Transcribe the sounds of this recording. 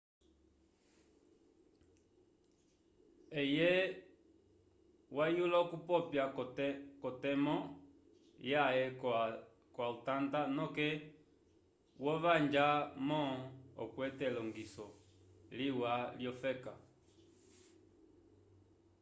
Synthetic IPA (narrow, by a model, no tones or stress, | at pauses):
ɛjɛ | wajulakupɔpjakɔtɛmɔ | jaɛ | kwautandanɔkɛ | wɔʋaɲd͡ʒamɔɔ̰kwɛtɛlɔŋɡisɔ | liwaljɔfɛka